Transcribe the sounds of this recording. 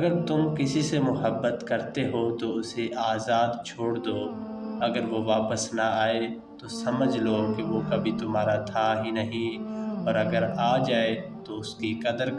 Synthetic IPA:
ɐɡəɾt̪ʊmkɪsisemʊɦəbːət̪kɐɾt̪eɦot̪oʊseʔaːzaːd̪t͡ʃʰoːɽd̪oː | ɐɡəɾʋoʋaːpəsnaaːe | t̪osɐməd͡ʒʱlokeʋokɐbʱit̪ʊmɦaːɾat̪ʰaɦinɐɦĩɔːɾɐɡəɾaːd͡ʒaːet̪oʊskikɐd̪əɾ

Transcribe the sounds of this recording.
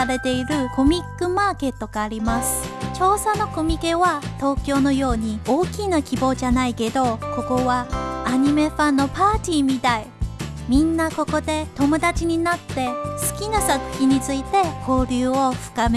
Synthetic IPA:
aɾe̞t̪e̞iɾɯ̟ko̞mʲikːɯ̟maːke̞t̪ːo̞ɡaːɾʲimasɨ̥t͡ɕo̞ːsano̞ko̞mʲike̞βat̪o̞ːkʲo̞ːno̞jo̞ːɲ̟ioːkʲinakʲibo̞ːʑanaike̞d̪o̞ko̞ko̞βaaɲ̟ime̞ɸãnːo̞paːt̪ʲiːmʲit̪ai | mʲĩnːako̞ko̞d̪e̞t̪o̞mo̞d̪at͡ɕiɲ̟inat̪ːe̞sɨ̥kʲinasakɯ̥kʲiɲ̟it͡sɨit̪e̞ko̞ːɾʲɨːo̞ɸɯ̟̥kame

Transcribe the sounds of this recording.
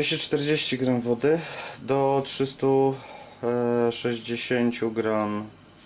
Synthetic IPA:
eɕɛt͡ʂt̪ɛɾd͡ʑeɕt͡ɕiɡɾɔnvɔd̪ɘd̪ɔt̪ʂɘst̪u | ʂɛʑd͡ʑeɕeɲt͡ɕuɡɾɔn

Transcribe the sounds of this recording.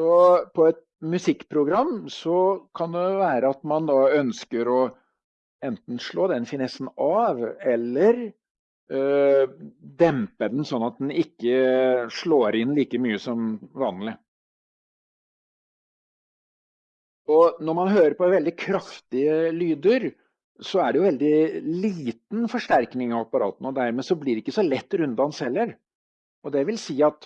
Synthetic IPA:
ɔpʰɔɛt̪̚ | mʉsɪkːpʰɾʊɡɾɑmːsɔkʰɑnd̪ɛʋæːɾəɑt̪mɑnd̪ɑːœnskəɾɔ | ɛnt̪n̩ʂɭoːd̪ɛnfɪnɛsn̩ɑʋɛlːəɾ | d̪ɛmpəd̪ɛnsɔnːɑt̪̚d̪ɛnɪkːəʂɭoːɾɪnliːkəmyːəsɔmʋɑːnlɪ | ɔnɔɾmɑnɦøːɾəɾpɔʋɛld̪ɪkʰɾɑft̪ɪəlyːd̪əɾ | sɔæɖɛjʊʋɛld̪ɪliːt̪n̩fɔʂʈ̪æɾknɪŋɑʋɑpːɑɾɑ̰ːt̪n̩ɔd̪æɾmeːsɔblɪɖɛɪkːəsɔlɛt̪ːɾʉnd̪ɑnshɛlːəɾ | ɔd̪ɛʋɪlsiːɑt̪

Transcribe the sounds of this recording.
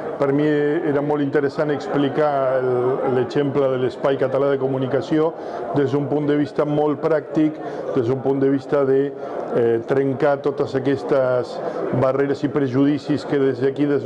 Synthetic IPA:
pəɾmieɾamolˠt̪int̪əɾesaneksplikallet͡ʃemplaðelespajkat̪alað̞ekumunikasjo | d̪ezðumpund̪əβist̪amolt̪̚pɾak̚t̪ikd̪ezðumpund̪əβ̞ist̪aðe | t̪ɾeŋkat̪ot̪əsakɛst̪azbareɾasipɾeʒuðisiskeðezðakiðez

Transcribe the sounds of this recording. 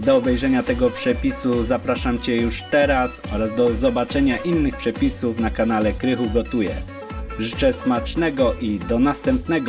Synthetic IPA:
d̪ɔːbɛjʐɛɲat̪ɛɡɔpʂɛpʲisuzapɾaʂamt͡ɕɛjuʂt̪ɛɾasɔɾazd̪ɔzɔbat͡ʂɛɲaʔinːɘxpʂɛpʲisufnakanalɛkɾɘxuɡɔt̪ujɛ | ʐɘt͡ʂɛsmat͡ʂnɛɡɔʔid̪ɔnast̪ɛmpnɛɡɔ

